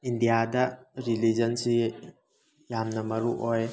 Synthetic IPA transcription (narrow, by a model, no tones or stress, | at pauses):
ind̪ijad̪aʔɾilid͡ʒɐnsi | jamnɐmɐɾuʔɔj